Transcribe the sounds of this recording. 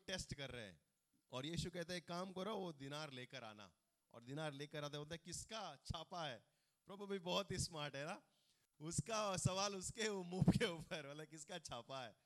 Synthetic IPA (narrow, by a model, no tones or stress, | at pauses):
ʈeːsʈkɐɾːə̰ɦeɛ̰̃ | ɔːɾjiːʃukɛɦt̪eɦkaːmkɐɾoʋod̪ɪnaːɾleːkəɾa̰ːna̰ | ɔ̰ːɾd̪ɪnaːɾleːkəɾaːt̪eboːlt̪aɦkɪskat͡ʃʰaːpaɦɛː | pɾɔːbabibɔːt̪ismaːɾʈɦɛnaː | ʊskasɐʋaːlʊskeomuːbkeuːpəɾəlkɪskat͡ʃʰaːpaɦɛː